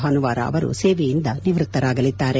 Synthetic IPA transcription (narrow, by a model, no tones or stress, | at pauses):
ɦanuʋaːɾɐ̰ɐ̰ʋɐɾṵseːʋɛjind̪ɐniʋɾut̪ːɐɾaːɡɐlid̪ːaːɾe̞